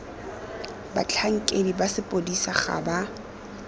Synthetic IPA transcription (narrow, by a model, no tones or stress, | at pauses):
ba̰t͡ɬʰaŋ̩kʼedibasɪpʼodisaχa̰ba